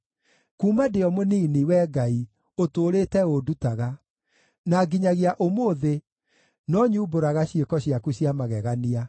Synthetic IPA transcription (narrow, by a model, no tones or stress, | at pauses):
kuːmadeɔmoniːniwɛːɡai | otoːɾeːtɛodutaɣa | naɡiɲaɣeaʔomoːðe | nɔɲuːboɾaɣaɕiekɔɕiakuɕiamaɣɛɣania